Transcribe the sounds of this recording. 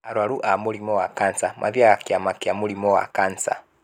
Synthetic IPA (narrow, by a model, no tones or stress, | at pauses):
aɾwaɾuʔamulimɔwakant͡samʔa̰vjaakiamakiamulimɔwa̰kant͡sa̰